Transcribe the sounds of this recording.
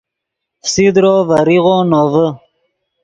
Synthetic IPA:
sid̪ɾovəɾiɣonovə

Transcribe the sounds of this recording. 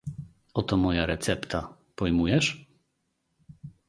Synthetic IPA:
ɔt̪ɔmɔjaɾɛt̪sɛpt̪ʰa | pɔjmujɛʂ

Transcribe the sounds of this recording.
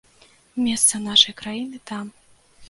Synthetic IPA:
mʲɛst̪sɐnaʂɐjkɾajinɨt̪am

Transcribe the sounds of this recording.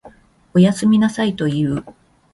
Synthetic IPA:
o̞jasɨmʲinasait̪o̞iɯ

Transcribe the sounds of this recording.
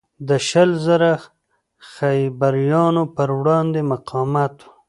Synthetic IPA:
d̪əʃəlzaɾa | xajbaɾjɑnopəɾwɽɑnd̪emaqʰɑmat̪u̥

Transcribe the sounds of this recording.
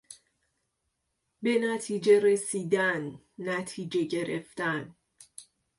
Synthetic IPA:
be̞næt̪ʰiːd͡ʒe̞ɾesiːd̪ænː | æt̪ʰiːd͡ʒe̞ɟe̞ɾeft̪æn

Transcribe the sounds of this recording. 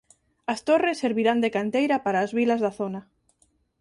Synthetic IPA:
ast̪oresːeɾβiɾand̪ekant̪ejɾapaɾaːzβilazðaθona

